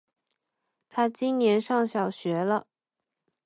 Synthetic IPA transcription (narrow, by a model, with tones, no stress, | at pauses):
t̪ʰa˥t͡ɕi˥nnjɛ˧˥nʂɑ˥˩ŋɕjɑ˨˩ʊɕɥɛ˧˥lə˧